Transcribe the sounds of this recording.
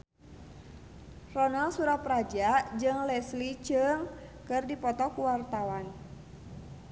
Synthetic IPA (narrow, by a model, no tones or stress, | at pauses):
rɔnalsuɾaprad͡ʒad͡ʒɨŋlɛslit͡ʃɨŋkɨrdipɔt̪ɔkuwart̪awan